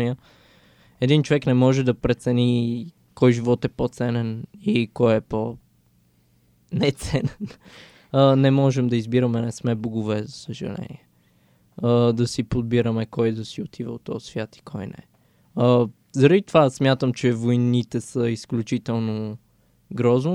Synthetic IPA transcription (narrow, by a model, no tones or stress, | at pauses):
niə | ɛd̪int͡ʃovɛknɛmɔʒɛd̪ɐpɾɛt̪sɛni | kɔjʒivɔt̪ɛpot̪sɛnɛnikɔjɛpo | nɛt̪sɛnɛn | ənɛmɔʒɛmd̪ɐizbiɾəmɛnɛsmɛboɡʊvɛzɐsəʒɐ̰lɛ̰nḭɛ | əd̪ɐsipod̪̚biɾəmɛkɔjd̪ɐsiot̪ʰivə̰ot̪ːɔsvʲjat̪i̥kʰɔjnɛ̰ | ə | zəɾɐd̪it̪ovasmʲjat̪əmt͡ʃɛvojnit̪ɛsəisklʲut͡ʃit̪ɛlˠno | ɡɾɔznʊ